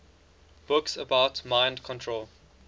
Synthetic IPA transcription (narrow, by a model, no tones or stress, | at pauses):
b̥ʊksəbaʊtmãɪ̃ndkʰɔ̃ntʰɹol